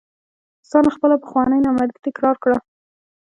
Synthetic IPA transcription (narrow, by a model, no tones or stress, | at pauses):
sɑnaxpəlapə̥xwɑnəjnamaɾit̪ɪkɾɑɾkɽa